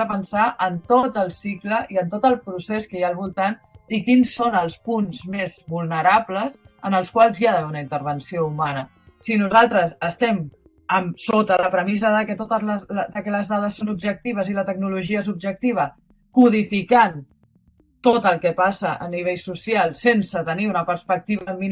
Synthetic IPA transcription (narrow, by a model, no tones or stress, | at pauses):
əpənsaʔənt̪ot̪əlˠsikləʔiənt̪ot̪əlˠpɾuseskəjaːlˠβulˠt̪anikinsːonəlˠspunzmezβulˠnəɾapləzənəlˠskwalˠzjaðəβɛunəint̪əɾβ̞ənsioumanə | sinuzalˠt̪ɾəsəst̪ɛm | əmsot̪ələpɾəmizəðəkət̪ot̪əəd̪əkɛləzðað̞əsːonub̚ʒək̚t̪iβ̞əzilət̪əɡ̚nuluʒiəes̬ub̚ʒək̚t̪iβ̞ə | kuð̞ifikan | t̪ot̪əlˠkɛpasəʔəniβ̞eʎsusialˠsensət̪əniunəpəɾspək̚t̪iβəmin